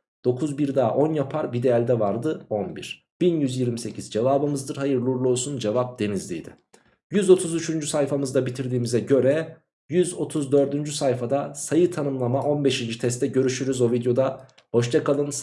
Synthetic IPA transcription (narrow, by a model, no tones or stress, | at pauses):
d̪̥o̞kʰuzbiɾd̪aːʔo̞njapʰaɾbid̪ejælʲd̪ɛvaɾd̪ɯo̞nbiɾ̥ | b̥injyzjiɾmise̞cʰizd͡ʒevaːbɯmɯzd̪ɯɾhajɯɾlˠuɾlˠolˠsund͡ʒevap̚d̪̥e̞nizlʲijd̪ɪ̰ | jyzo̞t̪ʰuzyt͡ʃʰynd͡ʒysajfamɯzd̪abit̪ʰiɾd̪iːmizɛɟø̞ɾɛ | jyzo̞t̪ʰuzd̪ø̞ɾd̪ynd͡ʒysajfad̪asajɯt̪ʰanɯmlˠamaʔo̞nbe̞ʃind͡ʒit̪ʰɛst̪ʰɛɟø̞ɾyʃyɾyzo̞vid̪jo̞d̪a | ho̞ʃt̪ʰakalˠɯns